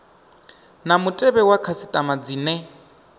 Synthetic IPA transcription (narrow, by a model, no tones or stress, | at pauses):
namʊtʼɛbɛwakʰasitʼamad͡ziːnɛ